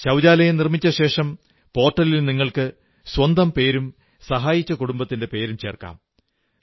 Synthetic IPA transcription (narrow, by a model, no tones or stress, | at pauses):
ɕɐwd͡ʑaːlɐjenirmit͡ɕːɐɕe̞ːʂɐm | po̞ːrʈːɐlilniŋːɐɭkɨ | swɐnd̪ɐmpe̞ːɾum | sɐɦaːjit͡ɕːɐkuɽumbɐt̪ːinde̞pe̞ːɾumt͡ɕe̞̰ːrka̰ːm